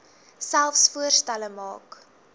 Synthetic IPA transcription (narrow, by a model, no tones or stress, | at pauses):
sælˠfsfuərstæləmɑ̰ːk